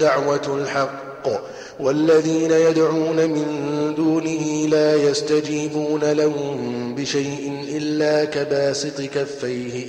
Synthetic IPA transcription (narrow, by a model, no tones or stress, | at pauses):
aʕwalħɑqː | walːaðiːnajad̪ʕuːnamɪnd̪uːnɪhɪlaːjast̪ad͡ʒiːbuːnalahʊmbɪʃajʔɪnʔɪlːaːkabaːsɨt̪ˤɨkafːajhɪ